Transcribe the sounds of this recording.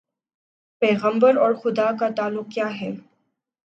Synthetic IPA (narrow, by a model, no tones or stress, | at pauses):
pɛːɣə̃mbəɾɔːɾxʊd̪akat̪aːlːʊq̚kːjaːɦɛː